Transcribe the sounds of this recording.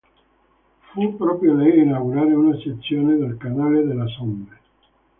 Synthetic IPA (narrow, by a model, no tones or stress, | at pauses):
fupːɾɔːpɾjolɛjinawɡuɾaːɾeunaset̪sːjoːned̪elkanaːled̪elːasombe